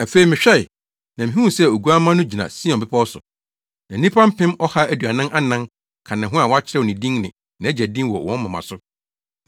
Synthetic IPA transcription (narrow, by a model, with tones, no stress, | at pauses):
æ˨fe˨i˨mɪ̃˨ɕᶣɛ˦ɪ˨ | nã˨mɪ̃˨ɦũ˦˨sɛ˦˨o˨ɡu˦a˦mã˦nʊ̃˦d͡ʑi˨nã̰˨si˦ɔ̃˨bɪ˦pʰɔ˦sʊ̰˨ | nã˨˦nĩ˦pʰã˦m̩˦pʰɪ̃˦mɔ˦ha˦æ˦˨dɥa˨nã˦nʔa˦nã˦n | kʰã˨nã˨ɦʊ̃˦a˨wɔ˦a˦t͡ɕʰɪ˦ɾɛ˦wɔ˨nɪ̃˨dĩ˦ŋnɪ̃˨ | nã˨æ˦d͡ʑæ˨dĩ˦mwɔ̰˨wɔ̃˦n˦ã˨mã̰˨sʊ˦